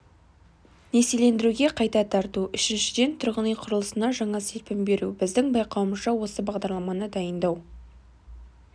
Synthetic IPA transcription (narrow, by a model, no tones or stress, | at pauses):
ne̞sele̞nd̪ɪɾuɡʲe̞qʰɑjt̪ɑt̪ʰɑɾt̪uʔʏʃɪnʃɪd̪e̞nt̪ʰʊɾʁənəjqʰʊɾəlˠəsənɑʒɑɴɑselpɪmbe̞ɾubɪzd̪ɪŋbɑjqɑwəməzʁɑwo̞səbɑʁd̪ɑɾlˠɑmɑnəd̪ɑjənd̪ɑw